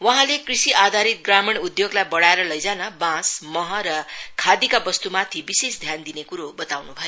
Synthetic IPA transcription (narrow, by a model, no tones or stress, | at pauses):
wʌɦãlekrisiʔad̪ʱaɾit̪̚ɡramiɳud̪joɡlajbʌɽaeɾʌlʌjd͡zanʌbãsmʌɦʌɾʌkʰad̪ikabʌst̪umat̪ʰibisesd̪ʱjand̪inekuɾobʌt̪awnubʱʌjo